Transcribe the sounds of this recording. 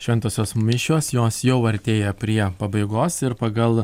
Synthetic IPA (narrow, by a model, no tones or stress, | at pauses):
ʃʲʋʲɛnt̪oːsʲoːsmʲɪʃʲoːsjoːsjɛʊɐɾʲt̪ʲeːjɛpʲɾʲiɛpɐbɐɪɡoːsɪɾpɐɡɐlˠ